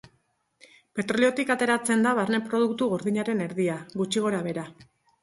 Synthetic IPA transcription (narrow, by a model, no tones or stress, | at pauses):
pe̞t̪ɾo̞lio̞t̪ikat̪e̞ɾat͡se̞nd̪aβaɾne̞pɾo̞ðukt̪uɣo̞ɾðiɲaɾe̞ne̞ɾðiaɣut͡ʃiɣ̞o̞ɾaβ̞e̞ɾa